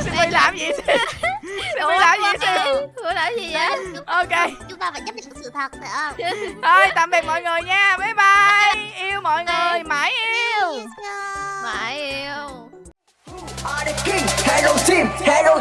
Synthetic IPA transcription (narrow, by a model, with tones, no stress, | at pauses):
sɨ˧˦mə˧jlaː˨˩mzḭ˨˩sʰi˧˦ | sɨ˨˧˦mə˧jlaː˨˩mzḭ˨˧˨sʰi˧˦hɨ˧˦əlaː˨˦zi˨˩ʔa˨˦ʔo˧ke˧t͡ɕʊ˨˦ŋ͡mt̪aː˧va̰ː˧˨jɲə˦˥ɲa̰˧˨˩k̚sɨ̰˧˨t̪ʰa˨˩t̚ːə˧˩˧ʔəː˧˩jt̪a̰ː˧˨mɓi˨˩t̚mɔ̰˧˨jŋɨ˨˩jɲaː˧me˨˦jɓa˧˩jʔi˧əwmɔ̰˧˨jŋɨ˨˩jmaː˨˩˦jʔi˧w | ma˨˩˦ji˧w | a˧i˧˩ki˧˩ŋhɛ˧lo˧si˧˩mhɛ˧lo˧